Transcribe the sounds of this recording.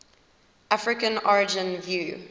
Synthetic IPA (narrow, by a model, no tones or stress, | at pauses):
ʔafɹɪkə̃nɔɹɪd͡ʒɪ̃nvjuː